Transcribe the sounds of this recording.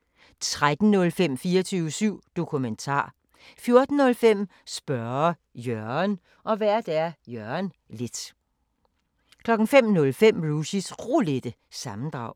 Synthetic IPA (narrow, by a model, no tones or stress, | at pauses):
t͡sʰʁad̥n̩nɔ̽lfem̰fiːɐt͡sʰyːʊəsyʊ̰d̥o̝kʰument͡sʰɑ̰̈ː | fjo̝ɐd̥n̩nɔ̽lfem̰ | sb̥ɶɐ | jœɐn | ʔɒ̽ʋæɐ̰d̥æɐjœɐɐn | le̝d̥ | kʰlɒ̽ɡ̥n̩fem̰nɔ̽lfem̰ʁuɕisʁole̝d̥ə | sɑ̈mn̩d̥ʁɑ̈ʊ̰